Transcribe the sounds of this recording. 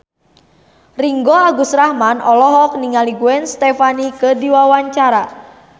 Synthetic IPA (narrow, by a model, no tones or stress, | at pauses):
riŋɡɔaɡusɾahmanɔlɔɦɔk̚niŋaliɡuɛnst̪efanikədiwawaɲt͡ʃaɾa